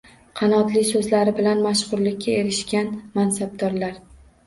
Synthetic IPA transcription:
qʰɑnɒt̪lɪsɵzlaɾɪbɪlanmaʃʁʊɾlɪkʲːae̞ɾɪʃkʲanmansab̚d̪ɒɾlaɾ

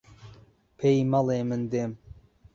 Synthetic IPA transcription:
pʰejmɑlˠeːmɨnd̪em

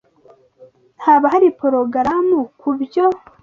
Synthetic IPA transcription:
n̥haːβaɦaɾipoɾoɡɾamukʰubjo

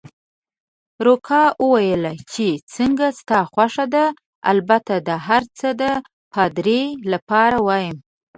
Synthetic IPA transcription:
ɾokʰɑwəwajəlat͡ʃet͡səŋɡast̪ɑxwaʂad̪a | a̰lbat̪ad̪əɦaɾt͡səd̪ə | pʰɑd̪ɾelapɑɾawɑjəm

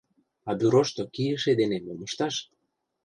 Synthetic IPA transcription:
ɑbyɾoʃt̪okijəʃed̪enemoməʃt̪ɑʃ

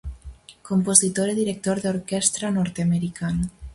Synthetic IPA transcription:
kompozit̪oɾeðiɾek̚t̪oɾðoɾkɛst̪ɾanɔɾt̪eameɾikana

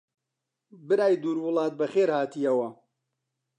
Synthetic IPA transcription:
bɨɾaːjd̪uːɾwʊlˠɑːt̪̚bɐxeːɾhaːt̪ijɐwɐ

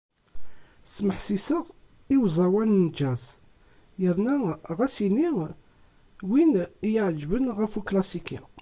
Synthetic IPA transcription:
sməħsisəʁ | iwzˤɑwænnd͡ʒæz | jəɾnæʁæsini | winjəʕd͡ʒbənʁəfuklæsikḭ

